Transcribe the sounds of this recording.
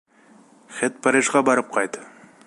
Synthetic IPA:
χet̪̚pʰæɾiʒʁɑbɑɾəp̚qʰɑjt̪

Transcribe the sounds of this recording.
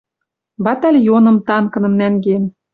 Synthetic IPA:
bɑt̪ɑlʲjonɤ̆mt̪ɑnkɤ̆nɤ̆mnæŋɡen

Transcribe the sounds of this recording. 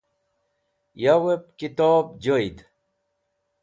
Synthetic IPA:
jawep̚kit̪oːbd͡ʑojd̪

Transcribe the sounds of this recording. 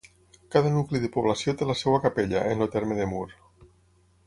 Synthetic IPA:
kaðənukliðepuβ̞lasiot̪elasewakapeʎəʔenlot̪eɾmeðemuɾ

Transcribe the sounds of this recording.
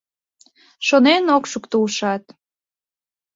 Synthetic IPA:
ʃonenokʃukt̪uʃɑt̪̚

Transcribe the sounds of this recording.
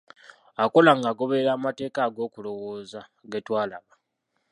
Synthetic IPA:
ako̞laŋɡaɡo̞βe̞ɾaːmate̞ːkaːɡo̞ːkulo̞wo̞ːzaɡetwaːlaβa

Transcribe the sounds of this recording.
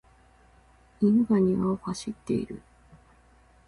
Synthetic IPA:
iŋɯɡaɲ̟iβaohaɕit̪ːe̞̰ḭɾɯ̟̰

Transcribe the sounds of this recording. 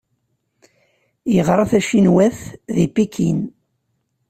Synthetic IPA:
jəʁɾˤɑθæʃinwæθðipːikʰin

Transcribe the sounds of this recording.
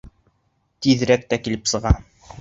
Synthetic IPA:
t̪iðɾæk̚t̪ækilɘpsɤ̆ʁɑ

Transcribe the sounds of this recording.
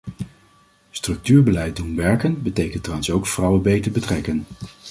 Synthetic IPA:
strɵk̚tyːɹbəlɛjt̚dunʋɛɹkənbətejkəntrɑnsowkfrɑwənbejtəɹbətrɛkən

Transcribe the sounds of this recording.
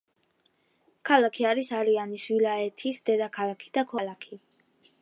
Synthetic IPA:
kʰalˠakʰiaɾisaɾianiʃwilaɛt̪ʰisd̪ɛd̪akʰalˠakʰi̥d̪̥akʰwalˠakʰi

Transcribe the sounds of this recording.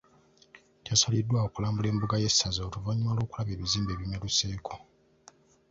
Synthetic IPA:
tjasalidːwaokulaːmbule̞ːmbuɡaje̞sazaotuvaɲːimalo̞ːkulaβe̞ːβiziːmbe̞ːβimeluse̞ːkʰo

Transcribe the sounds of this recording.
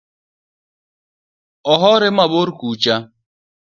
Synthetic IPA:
ɔɦɔɾɪmaboɾkut͡ʃa

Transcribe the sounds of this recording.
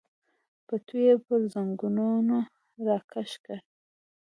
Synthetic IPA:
pat̪ujepəɾzaŋɡununo | ɾɑkʰaʃkaɾ

